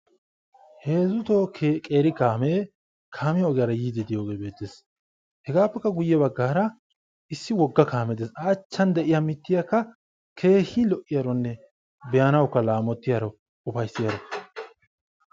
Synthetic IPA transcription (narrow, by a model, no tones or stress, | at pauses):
heːzʊt̪okʼeːɾɪkaːme | kʰaːmɪjɐɔɡɪjaɾɐjiːd̪ɪd̪ɪjo̞ːɡe̞ːbe̞ːt̪ːeːs | hɛɡaːpːɛkːɐɡʊjːɛbɐɡːaːɾɐ | ɪsːɪwɔɡːɐkʰaːmɛt̪eːsaːt͡ʃːɐnd̪ɛʔɪjamɪt̪ːɪjɐkːɐ | kʰe̞ːhilɔʔɪjaɾɔnːɛ | bɛjɐnɐwkːɐlaːmɔt̪ːɪjɐɾɔ | ʊfɐjsːɪjɐɾɔ